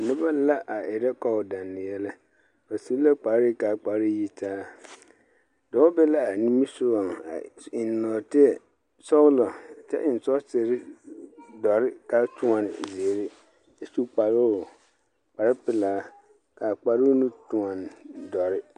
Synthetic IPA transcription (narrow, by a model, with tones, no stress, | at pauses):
nɪ˦ba˦la˦ʔa˨ɪ˨ɾɛ˦kɔ˦ʊ˨da˨nːɪ˨jɛ˦lɛ˦ | ba˨si˦la˦k͡pa˨˦ɾi˦ka˨k͡pa˨˦ɾi˦ji˦tʰaː˦ | dɔ˨ɔ˦bɛ˦la˦a˨nĩ˦mi˦sʊ˦ɾɔ˨ŋa̰˨ɪ˨n˨nɔː˨tɪ˦ɛ˨ | sɔ˦ʊ˦lɔ˨t͡ʃɛ̰˦ʔɪ˨n̩˨sɔ˦se˨ɾɪ˦ | dɔ˨ɾɪ˦ka˦tʰʊ˦a˨nɪ̰˨zɪ˨ɾɪ˦ | ɛ˨su˦k͡pa˨ɾʊ˦˨ | k͡pa˨ɾɪ˦pɪ˦˨laː˨˦ | ka˨k͡pa˨ɾu˦nʊ̃˦tʊ̃˨a˨n˨dɔ˨ɾɪ˦